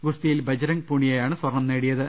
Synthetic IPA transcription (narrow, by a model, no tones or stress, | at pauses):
ɡust̪ijilbɐd͡ʑɐɾɐŋpuːɳijɐjaːɳɨswɐrɳɐmneːɽijɐðɨ